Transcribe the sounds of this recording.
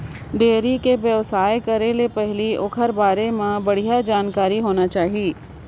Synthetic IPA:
ɖeːɾikeʋjəʋsaːekɐɾelepɛɦliokʰəɾbaːɾemãbɐɽ̤ijad͡ʒaːnkaːɾiɦoːnat͡ʃaːɦieː

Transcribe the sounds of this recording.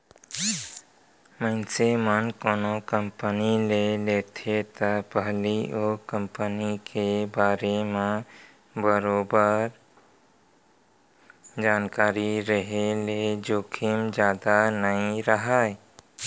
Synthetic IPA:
mənsemənkoːnokəmpənilelet̪ʰet̪əpəɦliokə̃mpənikebaːɾemẽ | bəɾoːbəɾ | d͡ʒaːnkaːɾiɾəɦeled͡ʒoːkʰimd͡ʒjaːd̪anəĩɾəɦae

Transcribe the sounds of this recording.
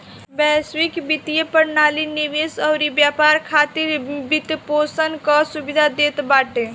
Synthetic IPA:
bɛswikbit̪ijepəɾnaliniʋesɔʊɾibjapaɾkʰat̪iɾbit̪posənkɔsubid̪ʱad̪et̪baʈe

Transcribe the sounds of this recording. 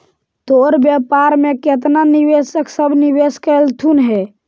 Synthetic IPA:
t̪oɾbjapaɾmeket̪̬naniʋesəksəbʱniʋeskəlt̪ʰunɦɛ

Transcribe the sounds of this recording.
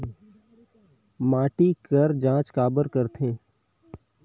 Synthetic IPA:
maːʈikəɾd͡ʒãːt͡ʃkaːbəɾkəɾt̪ʰẽː

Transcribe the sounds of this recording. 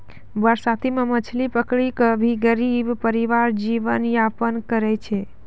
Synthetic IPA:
bəɾsat̪ʰimemət͡ʃʰlipəkɽikəbʱiɡəɾibpəɾiʋaɾd͡ʒiʋənjapənkəɾɛt͡ʃʰe

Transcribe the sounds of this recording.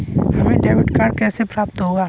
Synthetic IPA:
hɐmẽɖeːʋɪʈkaːɾkɛːsepɾaːp̚t̪ɦoːɡaː

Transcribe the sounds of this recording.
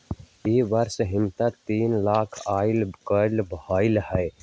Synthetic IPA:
eːʋəɾsɦɪmt̪at̪iːnlaːkʰaːɪlkəlbhaːɪlhɛj

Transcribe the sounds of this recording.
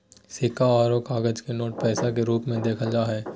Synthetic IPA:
sɪkaɔːɾoːkaːɡəd͡ʒkenoːʈ̚pɛːsakeɾuːpmẽd̪eːkʰəld͡ʒaːɦɛː

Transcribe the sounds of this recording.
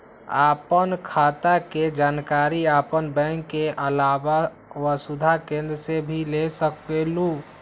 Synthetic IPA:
a̰pənkʰat̪aked͡ʒankaɾiapənbɛ̃ŋkːeʔəlaba | wəsud̪ʱakẽnd̪ɾəsebʱilesəkbelu

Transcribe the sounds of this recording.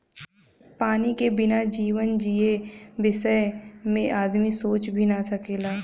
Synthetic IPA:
paːnikebɪnad͡ʒiːʋənd͡ʒiebɪsəjmẽʔaːd̪misoːt͡ʃbʱinasɐkeːlaː

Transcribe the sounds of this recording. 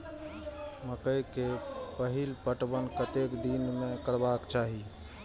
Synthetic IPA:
məkəjkepəɦilpəʈbənkət̪ekd̪inmẽkəɾbakt͡ʃaɦi

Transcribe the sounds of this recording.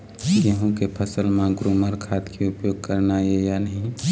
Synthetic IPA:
jəɦũkepʰəsəlmẽɡɾuməɾkʰat̪kʰeʊpjoːɡ̚kəɾnajejanəɦĩ

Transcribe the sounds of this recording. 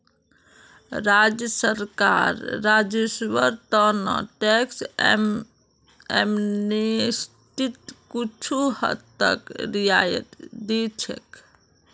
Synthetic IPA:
ɾad͡ʒjəsəɾka̰ɾːad͡ʒeswəɾt̪ənə̰ʈeks | emnes | ʈit̪kut͡ʃʰuhə̰t̪ːə̰kɾijajə̰t̪d̪it͡ʃʰɛ̰k

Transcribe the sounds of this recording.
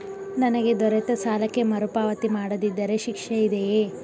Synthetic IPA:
nɐnɐɡe̞d̪ɔɾɛt̪ɐsaːlɐkːe̞mɐɾupaːʋɐt̪imaːɽɐd̪id̪ːɐɾeʃikʂɐid̪ejeː

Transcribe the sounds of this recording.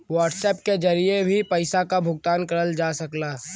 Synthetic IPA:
wəːɾʈseːpked͡ʒɐɾiebʱipɐɪsakabʱʊɡ̚t̪aːnkɐɾəld͡ʒaːsɐklaː

